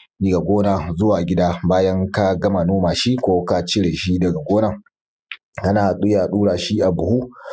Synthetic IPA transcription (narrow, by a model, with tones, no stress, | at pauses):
ni˦ɡa˨ɡʷoː˦na˨zʊ˦waː˨ɡʲɪ˦daː˦baː˦jɐ˦ŋka˦ɡɐ˦ma˨noː˦maː˨ʃi˦kʷoː˦ka˦t͡ʃɪ˦ɽe˨ʃi˦dɐ˨ɡa˨ɡʷoː˦na˨ | ka˦naː˨ɗʊ˦ja˨ɗuː˦ɽaː˨ʃi˦ʔa˨bʊ˨hu˦